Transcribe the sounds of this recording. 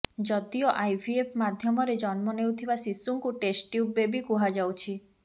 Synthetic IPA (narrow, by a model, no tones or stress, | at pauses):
d͡ʒɔt̪iɔʔajbʰʱiepʰmad̪ʱjɔmɔɾed͡ʒɔnmɔnewt̪ʰibasisuŋkuʈesʈjubːebikuɦad͡ʒawt͡ʃʰi